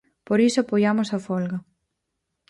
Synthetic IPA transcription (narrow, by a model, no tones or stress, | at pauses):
poɾisoapojamosɐfɔlɣɐ